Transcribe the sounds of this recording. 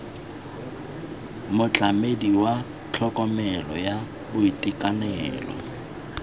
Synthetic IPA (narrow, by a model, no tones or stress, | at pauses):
mʊt͡ɬʼamediwa | t͡ɬʰɔkʼɔmɛlɔja | bʊitʼikʼanɛ̰ːlɔ̰